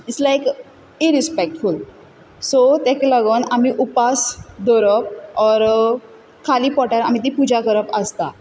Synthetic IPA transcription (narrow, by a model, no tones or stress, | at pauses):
islajk | iɾispɛk̚ʈful | sot̪ɛ̃keləɡənamiʔupasd̪ɔɾəp̚ɔɾ | kʰaliːpɔʈaɾa̰m̤it̪̬ipud͡ʑʱakəɾəpəst̪a